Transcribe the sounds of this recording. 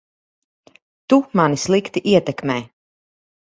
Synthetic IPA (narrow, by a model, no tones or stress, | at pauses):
t̪umanislˠikt̪iʔiɛt̪ɛkmɛː